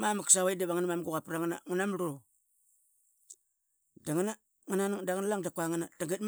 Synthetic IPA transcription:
mamaksaβaidaβaŋanamamɡuɣapɾaŋana̰ŋanamɾo | daŋana | ŋanandaŋnalaŋdakaŋanadaŋɡit̚m

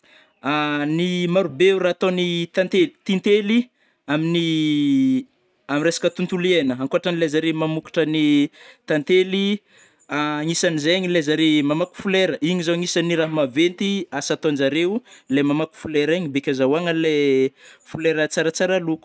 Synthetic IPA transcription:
animaɾubeurat̪onit̪ant̪elit̪int̪eli | amini | amiresḁkət̪unt̪ulienəaŋkoaʈ͡ʂanilezaɾemamuki̥ʈ͡ʂənit̪ant̪eli | aŋisanizeɲilezaɾemamaku̥fuleɾəʔiɲizaŋisaniɾaɦmavent̪iasat̪ond͡ʒaɾelemamaku̥fuleɾiɲibekʲazawaŋəle | fuleɾət͡saɾət͡saɾaluku̥

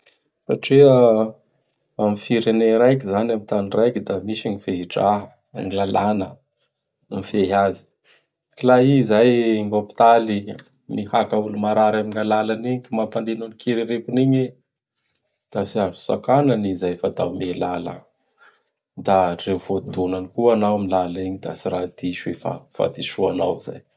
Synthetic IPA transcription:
sa̰ʈ͡ʂeə | amifiɾeneɾajkizanamit̪anirajkid̪amiʃaɲiveiʈ͡ʂa̰ | ŋilalanə | mifeɦazi̥ | kilaizajŋopi̥t̪ali | mihakaulumaɾaɾaminalalaniɲikimapand̪inunikʰiɾiɾepuniɲi | d̪̥asiaʐu̥sa̰kananizajfat̪awmelalə̰ | d̪arevod̪unanikuanawamilaliɲid̪a̰siɾad̪iʃuefa̰fa̰t̪iʃuanawiza̰j

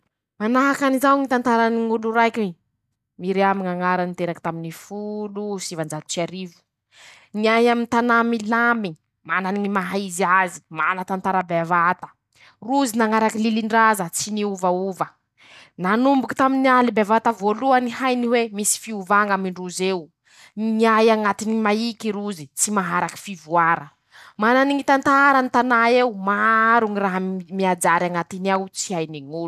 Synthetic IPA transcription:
manaɦakanizawŋit̪ant̪aɾaniŋuluɾajkʲi | miɾeamiŋaŋaɾanit̪eɾakit̪aminifulusivand͡ʒat̪u̥t͡saɾivi̥ | niaɦjamint̪anamilamii̥ | mananiŋimaɦaizazi̥ma̰nat̪ant̪aɾabevat̪ə̥ | ruzinaŋaɾakililiɳɖ͡ʐazət͡siniuvauvə | nanumbuki̥t̪aminialibevat̪əvoluənihajniwemisi̥fiuvaŋamiɳɖ͡ʐuzew | niajaŋat̪inimaikiɾuzit͡simaɦaɾaki̥fivuaɾə | mananiŋit̪ant̪aɾanit̪anaewmaɾuŋiraɦamiad͡ʒaɾjaŋat̪iniawt͡siajniŋul

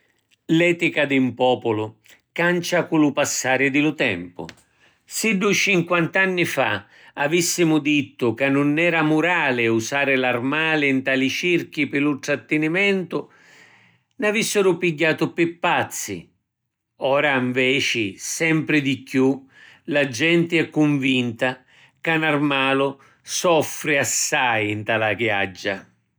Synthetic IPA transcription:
lɛːt̪ikad̪ɪmpɔːpʊlʊ | kant͡ʃakulʊpasːaːɾɪd̪ɪlʊt̪ɛ̰mpʊ̰ | sɪɖut͡ʃiŋkwant̪anːifa̰ | avisːimʊd̪it̪ːʊkanːʊnːɛːɾamʊɾaːlɪusaːɾɪlarmaːlɪnt̪aːlit͡ʃirk̟ipɪlult̪ɾat̪ːɪnimɛnt̪ʊ | navisːɪɾʊpiɟːaːt̪ʊpɪpːat̪sːḭ | ɔːɾaiɱvɛːt͡ʃɪsɛmpɾɪd̪ikːju | lad͡ʒɛnt̪ɪɛkːʊɱvint̪a | kanarmaːlʊ | sɔfɾɪasːajint̪alaɡja̰d͡ʒːa

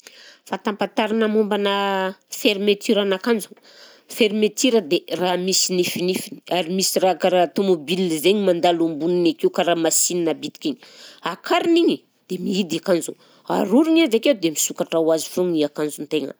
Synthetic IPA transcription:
fat̪ampat̪aɾanamumbanəfeɾimet̪ʰiɾanakand͡zu̥ | feɾimet̪iɾəd̪eramisinifinifini̥aɾimisirakaɾat̪omobilizeɲimand̪alumbuninakiwkaɾamasininabit̪i̥kʲeɲiakʰaɾiniɲi | d̪̥emiid̪akand͡zu | a̰ɾuɾiɲazakewd̪emisukaʈ͡ʂawazifuŋiakand͡zunt̪eŋə̰

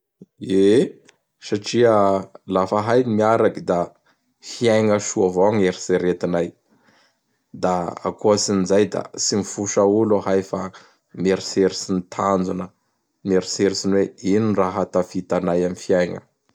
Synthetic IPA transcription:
e | saʈ͡ʂiəlafəɦajnimiaɾakid̪a | fiajŋəʃuavoaŋeɾiseɾet̪inaj | d̪aa̰kosinizajd̪a̰simifuʃauloɦajfa | meɾiseɾisinit̪ʰand͡zunə | meɾiseɾisinweininraɦat̪afit̪anajamifiajŋə̰

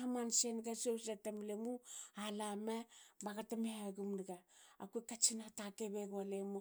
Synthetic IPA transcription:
amansenɡasowsatamlemualamabaɡatamehaɡumniɡaːkuekat͡ʃinatakeβeɡualemu

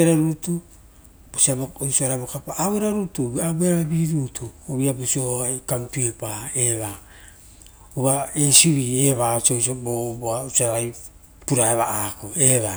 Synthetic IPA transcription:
eɾaɾutu | b̥osiabooisoaɾaβokapaːeɾaɾutuabeɾaabiɾuːtʰuoβiabosiohkamtuepaeβa | uβaesiβieβasosobobausaɾaj | puɾaeβaʔakoeβa

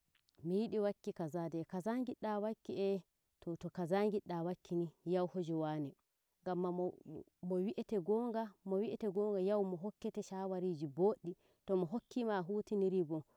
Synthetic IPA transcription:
mijiɗiwakːikazadɛkazaŋɡiɗawakːiʔɛ | tɔtɔkazaŋɡiɗːawakʰːinijawhod͡ʒɛwaːnɛ | ŋɡamːa | mɔwiʔɛtɛɡɔŋɡamɔwiʔɛtɛɡɔŋɡajawmɔɦokːɛtɛʃawaɾid͡ʒiboːɗːi | tɔmɔɦokʰːimaɦutiniɾibɔ

